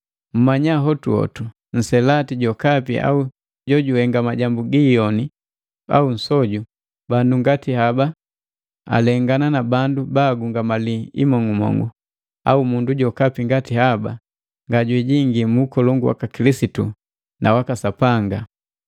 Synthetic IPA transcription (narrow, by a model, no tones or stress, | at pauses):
m̩maɲaɦɔtuɔ̰tu | n̩sɛlatiɟɔkapiʔa̰u | ɟɔɟuhɛŋɡamaɟambuɡijɔni | a̰un̩sɔɟu | banduŋɡatiɦaba | a̰lɛŋɡananabandubaɡuŋɡamaliḭmɔŋumɔ̰ŋɡṵ | a̰umunduɟɔkapiŋɡatiɦaba̰ | ŋɡaɟwiɟiŋɡimuːkɔlɔŋɡuwa̰kakilisitu | nʔawakasapaŋɡa